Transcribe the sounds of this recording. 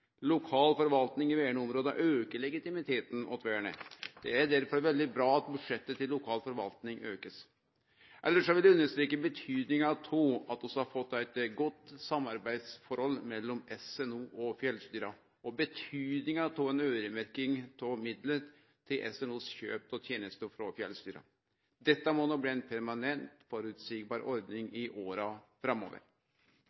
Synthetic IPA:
lʊkʰɑːlfɔɾʋɑlt̪nɪŋɪʋeːəɳəʊmɾoːd̪ə̰ʔøːkəɭɛɡɪt̪ɪmɪt̪ʰeːt̪n̩ʔɔ̰t̪ʰʋæːɳə̰d̪̥ɛæɖæɾfɔɾʋɛld̪ɪbɾɑːɑt̪bʉd̪ʂɛt̪ːət̪ʰɪlːʊkʰɑːlfɔɾʋɑ̰lt̪nɪŋøːkəs | ʔɛlːəʂɔʋɪlʉnːəʂt̪ɾiːkːəbət̪ʰyːd̪nɪŋɑt̪ʰoːɑt̪ɔsɔhɑɾfɔt̪ːæɪt̪ɡɔt̪ːsɑmːɑɾbæɪd̪sfɔɾhɔlːmɛlːɔmɛsɛnuːʔɔfjɛlst̪yːɾɑ | ɔbət̪ʰyːd̪nɪŋɑt̪ʰuːɛnøːɾəmæɾkɪŋt̪ʰɔmɪd̪lə | t̪ʰːɪlʔɛ̰sɛnuːsçøːp̚t̪ɔt̪ʰjeːnəst̪əfɾɔfjɛlst̪yːɾɑ̰ | d̪ɛt̪ːəmɔnobliːæɪnpʰæɾmɑnɛnt̪fɔɾʉt̪siːk̚bɑːɾɔɾd̪nɪŋɪʔoːɾɑfɾɑmo̰ːʋə̰ɾ

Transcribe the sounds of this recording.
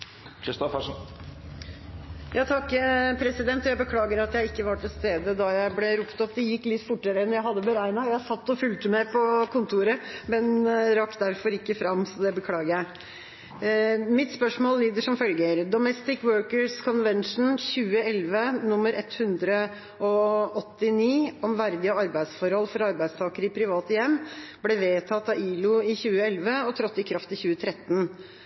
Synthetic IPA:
kʰɾɪst̪ɔfæʂn | jʔɑːt̪ʰɑkːpʰɾɛsɪd̪ɛnt̪ɔjæɪbəkʰlɑːɡəɾɑt̪jæɪɪkːəʋɑʈʰɪlst̪eːd̪əd̪ɑjæɪblɛɾuːpt̪ɔpːd̪ɛjɪkːlɪt̪ːfʊʈːəɾəɛnjæɪɦɑd̪ːəbəɾæɪnɑjæɪhɑsɑt̪ːɔfʉlt̪əmɛpʰɔkʊnt̪ʰuːɾəmɛnɾɑkt̪̚d̪æɾfɔɾɪkːəfɾɑmsɔd̪ɛbəkʰlɑːɡəɾjæɪ | mɪt̪spœʂmoːlliːd̪əʂɔmfœlɡəɾd̪ɔmɛst̪ɪkwøːɹkəɹskʰɔnʋɛnʂn̩çʉːəɛlʋənʊmːəɾɛt̪hʉnd̪ɾə | ɔɔt̪ːɪniːɔmʋæɾd̪ɪəɑɾbæɪd̪sfɔɾhɔlfɔɾɑɾbæɪst̪ʰɑːkəɾəɪpʰɾɪʋɑːt̪əjɛmːblɛʋeːt̪ʰɑt̪ːɑiːlʊɪçʉːəɛlʋəɔt̪ʰɾɑt̪ːɪkʰɾɑft̪ɪçʉːət̪ʰɾɛt̪ːn̩

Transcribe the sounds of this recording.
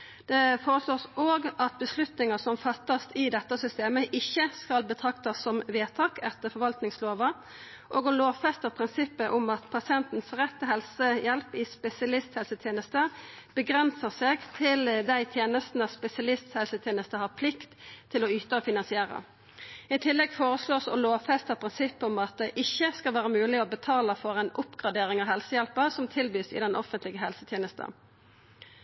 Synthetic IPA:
d̪̥ɛfoːʁəsloːsoːɡɑt̪̚bəslʉt̪nɪŋɑsɔmfɑt̪ːɑst̪ɪd̪ɛt̪ːəsʏst̪eːməʔɪçːəskɑlbət̪ʰʁɑkt̪ɑsːɔmʋeːt̪ʰɑːkɛt̪ːəfɔɾʋɑlt̪nɪŋsloːʋə | ʔoːɡɔloːʋfɛst̪əʁpʰʁɪnsɪpːəʔʊmɑt̪pʰɑsɪɛnt̪n̩sʁɛt̪ːəɦɛlsəjɛlpɪspɛsɪɑlɪst̪hɛlsət̪ʰjeːnəst̪ə | b̥əɡʁɛnsəseːɡt̪ʰɪld̪æɪt̪ʰjeːnəst̪n̩əspɛsɪɑlɪst̪hɛlsət̪ʰjeːnəst̪əhɑʁpʰlɪkt̪ʰːɪlɔyːt̪əɔfɪnɑnsɪeːʁə̰ | ɪt̪ʰɪlːɛɡfoːʁəsloːsɔ̰loːfɛst̪əpʰʁɪnsɪpːəʊmɑt̪̚d̪ɛʔɪçːəskɑlʋæːʁəmʉːlɪɔbət̪ʰɑːləfɔʁɛnʔʊpːɡ̥ʁɑd̪eːʁɪŋɑʋhɛlsəjɛlpəʁsɔmt̪ʰɪlbyːsɪ̰d̪ɛnʔɔ̰fənt̪ʰlɪɡəɦɛlsət̪ʰjeːnəst̪ə̰n

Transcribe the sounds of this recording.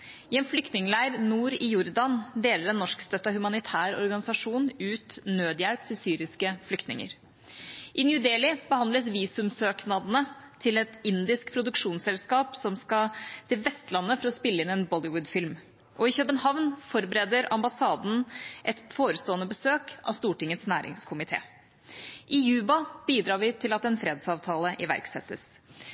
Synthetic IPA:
ɪɛːnflʏkt̪nɪŋəlæɪəɾnuːɾɪjʊɾd̪ɑnd̪eːləɾɛnːɔʂkst̪œt̪ːɑhʉmɑnɪt̪ʰæːɾɔ̰ɾɡɑnɪsɑʂuːnʉːt̪nøːd̪jɛɽp̚t̪ʰɪlsyːɾɪskəflʏkt̪nɪ̰ŋə̰ɾ | ʔɪnjʉd̪eːlɪbəhɑnd̪ləsʋiːsʉmsøːknɑd̪ənət̪ʰɪlɛt̪ɪnd̪ɪskpʰɾʊd̪ʉkʂuːnsɛlskɑːpsɔmskɑt̪ʰɪlʋɛst̪lɑnːəfɔɾɔspɪlːəɪnɛːnbɔlɪwʊd̪fɪlm | ʔɔɪçœpənhɑʋnfɔɾbəɾɛːd̪əɾɑmbɑsɑːd̪n̩ʔɛt̪foːɾəst̪oːənəbəsøːkʔɑ̰ʋst̪uːʈɪŋːət̪snæːɾʔɪ̰ŋskʰʊmɪt̪ʰḛː | ʔɪjʉːbɑb̥iːd̪ɾɑːɾʋɪt̪ʰɪlɑt̪ɛnfɾeːd̪sɑːʋt̪ʰɑːləʔɪʋæ̰ɾksɛ̰t̪ːə̰s

